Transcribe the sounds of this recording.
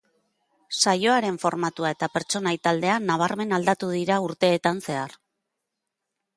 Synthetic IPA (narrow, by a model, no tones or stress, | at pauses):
sajo̞aɾe̞ɱfo̞ɾmat̪uaet̪ape̞ɾt͡ʃo̞najt̪ald̪e̞anaβ̞aɾme̞nald̪at̪uðiɾauɾt̪e̞ːt̪anse̞ar